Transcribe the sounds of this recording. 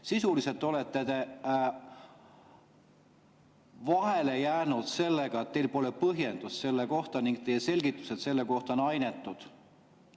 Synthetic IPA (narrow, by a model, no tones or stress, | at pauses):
sisulise̞lt̪ːˑo̞let̪ːˑet̪e̞ | vɑɦe̞le̞jæːnud̪̥se̞lːe̞ɡ̥ɑet̪̚ːejlpo̞le̞pɤɦje̞nd̪̥usse̞lːeko̞ht̪ɑniŋɡ̥̚t̪e̞jːese̞lʲɡ̥it̪ːˑu̥se̞t̪se̞lːe̞ko̞ht̪ɑonɑjne̞t̪ˑːud̪̥